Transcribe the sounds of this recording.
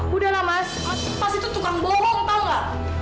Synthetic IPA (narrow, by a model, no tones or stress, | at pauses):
udalamas | masipasit̪ut̪ukaŋbɔɾɔŋpaŋa